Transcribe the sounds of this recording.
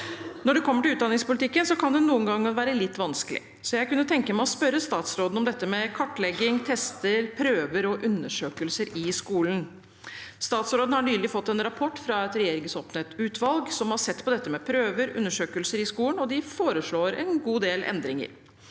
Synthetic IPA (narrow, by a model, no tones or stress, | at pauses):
nɔɖʉkʰɔmːəʈɪlʉːt̪d̪ɑnɪŋspʊlɪt̪ɪkːənsɔkʰɑnd̪ɛnuːənɡɑŋːɑŋʋæːɾəlɪt̪ːʋɑnskəlɪ̰ | sɔjæɪkʉnːət̪ʰɛŋkəmæɪɔspœɾəst̪ɑːt̪sɾoːd̪n̩ɔmd̪ɛt̪ːəmɛkʰɔʈːɭɛɡɪŋt̪ʰɛst̪əɾpʰɾøːʋəɾɔʔʉnːəʂøːkəlsəɾɪskuːlən | st̪ɑːt̪sɾoːd̪n̩hɑɳyːlɪfɔt̪ːɛnɾɑpʰɔʈːfɾɑɛt̪ɾɛjeːɾɪŋəsoːpnət̪ʉːt̪ʰʋɑlɡsɔmhɑsɛt̪ːpɔd̪ɛt̪ːəmɛpʰɾøːʋəɾʉ̰nːəʂøːkəlsəɾɪskuːlən̩ɔd̪ɪfoːɾəʂɭoːɾɛ̰nɡuːd̪eːlɛ̰nd̪ɾɪŋə̰ɾ